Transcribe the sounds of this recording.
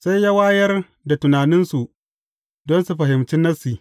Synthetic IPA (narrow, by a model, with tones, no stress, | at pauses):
sa˦jjaː˦waː˦jɐ˦r | da˨tʊ˨naː˨nɪ˦nsu˨ʔ | dɔ˦nsu˨ɸɐ˨ɦɪ˨mt͡ʃɪ˦nːɐ˦si˨